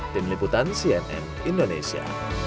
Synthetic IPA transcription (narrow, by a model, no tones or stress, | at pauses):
t̪ɪnliput̪ansiɛnɛ̰n | indonḛsia̰